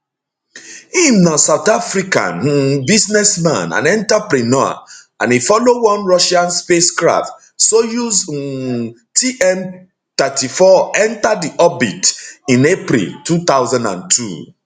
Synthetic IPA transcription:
hĩmnasaʊt̪afɾikã̰nbiznɛsmã̰nã̰nɛ̃ntapɾinɔa̰ | ã̰nifɔlowɔ̃nɹɔʃãnspeskɹa̰ft | sojuz | tʰiʔɛm | t̪ɛtifɔɛ̃ntadiʔɔbḭtĩnepɾḭltut̪awzãndã̰ntʰṵ

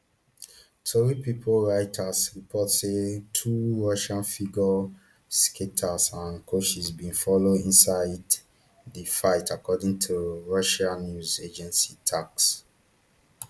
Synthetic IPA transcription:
tʰoɹipipʰolɹaɪtʰasɹipʰɔtsetʰuɹɔʃãnfiɡɔ | skʰetʰasãnkʰoʃizbĩnfɔloĩnsaɪd | dəfaɪtakɔdĩŋtʰuɹɔʃãnːjuzed͡ʒɛ̃nsitʰaks

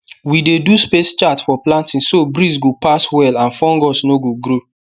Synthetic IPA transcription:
wideduspest͡ʃatfɔplãntĩnsobɾis̬ɡopaswɛlãnfɔ̃ŋɡɔsnoɡoɡɾo

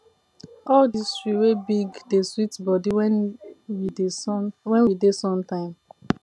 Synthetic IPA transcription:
ɔldistɹiwebiɡdeswitbɔdiwɛnwidewɛ̃nwidesɔ̃ntãɪ̃m

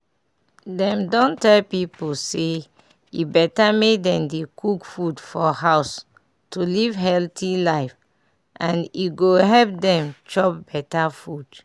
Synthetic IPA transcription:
dɛ̃mdɔ̃ntɛlpipose | ibɛtamedɛ̃mdekukfudfɔhaʊs | tʰulivɦɛltilaɪf | ʔãniɡoɦɛlp̚dɛ̃mt͡ʃɔpb̥ɛtafud

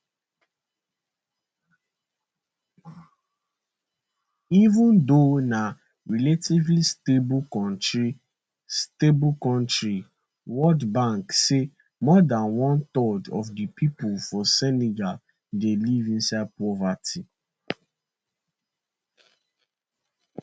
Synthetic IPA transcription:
ivũndona | ɹiletivlistebkɔ̃ntɹi | stebkɔ̃ntɹi | wɔldbãŋkse | mɔdãnwɔ̃nt̪ɔdɔfdipʰipulfɔsɛniɡal | delivĩnsaɪd̚pɹɔvatʰi

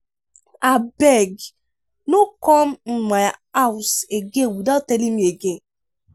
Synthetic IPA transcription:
abeɡ | nʊkɔm̩ŋ͡m̩ŋ͡maawseɡewudɔtelim̩eɡe

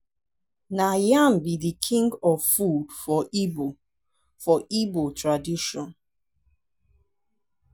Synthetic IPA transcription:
najãmbidikʰĩŋɡɔvfudfɔʔibo | fɔʔibotʰɹadiʃɔ̃n

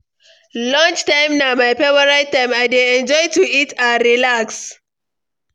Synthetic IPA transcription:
lɔ̃nd͡ʒtãɪ̃mnamajpɛwəɹaɪtːãɪ̃maɪdeɛ̃nd͡ʒɔɪtuitaɹilaks

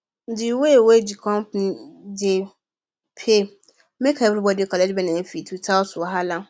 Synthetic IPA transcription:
n̩dɪwewedikʰɔ̃mpnĩde | pʰe | mẽkʰaevɾibɔdiekʰɔlɛd͡ʒbɛ̃nãefitʰutʰawsʊwɔɦalã

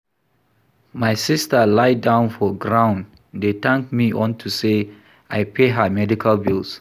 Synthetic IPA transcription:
majsistəlaɪdãʊ̃nfɔɡɹãʊ̃nd | detãŋk̚miʔɔ̃ntʰuse | ʔajpʰeɦəmɛdikʰalbilˠs

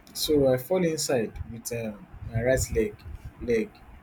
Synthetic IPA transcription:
soaɪfɔlĩnsaɪdwitɛmaɹatlɛɡlɛɡ

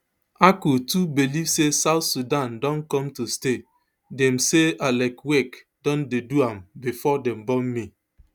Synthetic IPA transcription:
akutubilivsesaʊtsudandɔ̃nkɔ̃mtuste | dɛm̩sealakwek | d̥ɔ̃ndeduambifɔdɛm̩bɔmmi

